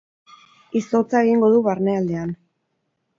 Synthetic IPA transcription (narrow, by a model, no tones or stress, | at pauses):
iso̞t͡sae̞ɣ̞iŋɡo̞ðuβaɾne̞ald̪e̞an